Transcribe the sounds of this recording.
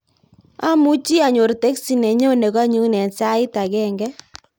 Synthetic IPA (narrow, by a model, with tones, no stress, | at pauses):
a˦mu˦t͡ʃi˦a˨ɲo˨ɾte˦ksi˨nɛ˨ɲo˦ne˨ka˦ɲu˦nɛ˨nsa˦ɪ˦ta˨ɡɛ˦˨ŋɡɛ˦